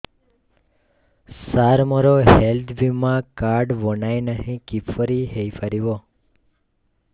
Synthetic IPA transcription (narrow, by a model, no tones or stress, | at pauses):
saɾməɾoɦelt̪ʰbimːãkaɾɖʋonajnəɦĩkipʰfəɾiɦejfʰəɾiʋo